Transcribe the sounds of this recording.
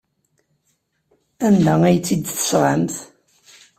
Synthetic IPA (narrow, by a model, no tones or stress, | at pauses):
ænd̪ææjət͡sːid̪θə̥sʁamθ